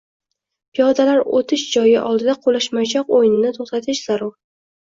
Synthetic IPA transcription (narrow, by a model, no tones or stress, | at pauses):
pʰijɒd̪alaɾot̪ʰɪʃd͡ʒɒjɪʔɒlˠd̪ɪd̪aqʰolaʃmajt͡ʃʰɒqojɪnɪnɪt̪ʰoχt̪at̪ʰɪʃz̥aɾɒɾ